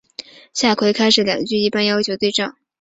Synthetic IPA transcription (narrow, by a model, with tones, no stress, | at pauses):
ɕja˥˩kʰwe˧˥ɪkʰa˥ɪʂɻ̩˨˥ljɑ̰˨˩ŋɡt͡ɕy˥˧i˥˩pa˥˧njɑ˥ʊt͡ɕʰjo˧˥ʊt̪we˥˧ɪʈ͡ʂɑ˥˩ŋ